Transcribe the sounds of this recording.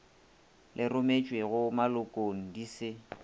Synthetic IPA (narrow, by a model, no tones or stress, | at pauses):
lʔɪrʊmet͡ʃʼweɣʊmalʊkʼoŋ̩disɪ